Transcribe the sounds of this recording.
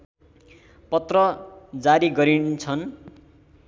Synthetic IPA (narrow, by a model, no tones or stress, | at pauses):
pʌt̪rʌd͡zaɾiɡʌɾint͡sʰʌn